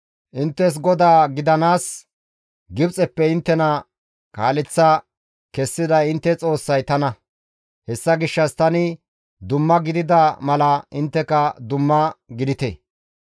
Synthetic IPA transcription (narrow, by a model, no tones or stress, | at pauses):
ʔɪnt̪ːɛs̬ɡɔd̪aːɡɪd̪ɐnaːs | ɡɪbt͡sʼɛpːɛɪnt̪ːɛnɐ | kaːlɪt͡sːɐ | kɛsːɪd̪ɐɪnt̪ːɛt͡sʼo̞ːsːɐjt̪ɐnɐ | hɛsːɐɡɪʃːɐst̪ɐnɪ | d̪ʊmːɐɡɪd̪ɪd̪ɐmɐlɐʔɪnt̪ːɛkɐd̪ʊmːɐɡɪd̪ɪt̪ḛ